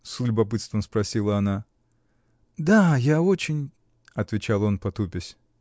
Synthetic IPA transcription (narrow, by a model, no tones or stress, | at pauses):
sʊlʲʊbɐpɨt̪st̪vəmspɾɐsʲilˠəɐna | d̪ajaot͡ɕɪnʲ | ɐt̪vʲɪt͡ɕalˠo̞npɐt̪upʲɪsʲ